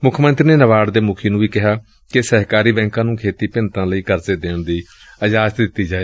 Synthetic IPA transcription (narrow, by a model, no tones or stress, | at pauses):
mʊkʰmə̃nt̪ɾiːneːnəʋaːɽd̪eːmʊkʰeːnũːʋiːkɪɦaː | kɪsəɦkaːɾiːbɛ̃ːŋkãːnũːkʰeːt̪iːpɪnt̪ãːləiːkəɾseːd̪eːɳd̪iː | əd͡ʒaːzt̪d̪ɪt̪ːiːd͡ʒaːeː